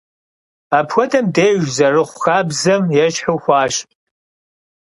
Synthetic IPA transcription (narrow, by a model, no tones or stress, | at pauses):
aːpʰxʷɔtʰɐmdeːʒzɐrɨχʷʊxaːbzɐmjɛt͡ʃħɨwxʷɑːɕpʼ